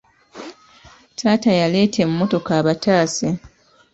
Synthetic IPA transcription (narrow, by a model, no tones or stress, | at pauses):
tʰaːtajale̞ːtʰe̞mumo̞to̞kaːβataːse